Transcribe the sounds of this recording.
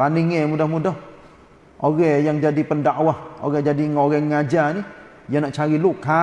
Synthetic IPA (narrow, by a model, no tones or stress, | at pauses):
paniŋɛmudɔhmudɔh | ʔoɣɛjaŋd͡ʒadipəndaʔawaho̰ɣɛd͡ʒadiŋoɣɛŋad͡ʒani | jaŋnaʔt͡ʃaɾiluʔkːa